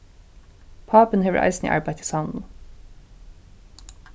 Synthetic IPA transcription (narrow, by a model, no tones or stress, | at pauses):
pʰɑːpən̩hɛʋə̰ʔa̰ɪsnḭʔɑ̰ɹbaɪt̪ʰɪ̥sɑnl̩